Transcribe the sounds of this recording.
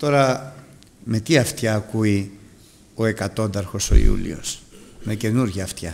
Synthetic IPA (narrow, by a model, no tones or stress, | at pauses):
t̪o̞ɾɐ | me̞t̪iɐft̪çɐːkui | o̞e̞kɐt̪o̞nd̪ɐɾxo̞so̞̰ḭṵlḭo̞̰sme̞ce̞nuɾʝɐːft̪çɐ